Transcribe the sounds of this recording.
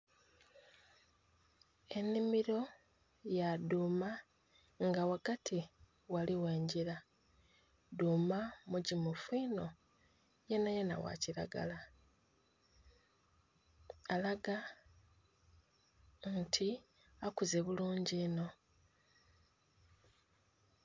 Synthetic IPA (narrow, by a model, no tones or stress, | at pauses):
e̞nːimiɾo̞ | jaduːma | ŋɡawaɡatʰi | waliwe̞ːɲɟiɾa | duːmamuɟimufiːno̞ | je̞najena̰wa̰ciɾa̰ɡa̰la | alaɡa | ntʰi | akuze̞βuluːɲɟiːno̞